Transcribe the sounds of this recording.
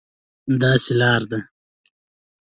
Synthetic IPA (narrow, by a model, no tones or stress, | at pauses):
d̪ɑːselɑːɾd̪a